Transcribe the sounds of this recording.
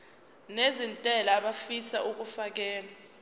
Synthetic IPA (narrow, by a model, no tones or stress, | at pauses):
nezintʼɛlaːɓafisaʔuk̬ufak̬ɛːla